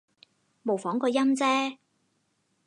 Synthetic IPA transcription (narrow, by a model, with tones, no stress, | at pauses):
mo˨wfɔː˨˥ŋkɔː˧jɐ˥mt͡sɛː˥